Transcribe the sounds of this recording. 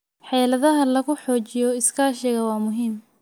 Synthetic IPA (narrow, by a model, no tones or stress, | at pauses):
ħɛːlɐðɐɦɐlɐɣʊħɔːt͡ʃɪjɔɪskʰaːʃɪɣɐwɑːmʊɦiːm